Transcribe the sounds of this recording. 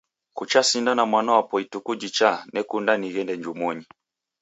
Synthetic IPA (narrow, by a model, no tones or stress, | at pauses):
kut͡ʃasindanamwanɔapɔitukud͡ʒit͡ʃanɛkundaniɣɛndɛɲd͡ʒumɔɲi